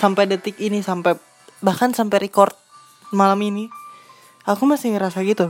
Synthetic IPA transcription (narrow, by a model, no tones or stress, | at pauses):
sampɛdət̪ɪkinisampɛ | bahkansampɛɾikɔrt̪̚ | malamini | akumasɪŋɾasaɡit̪u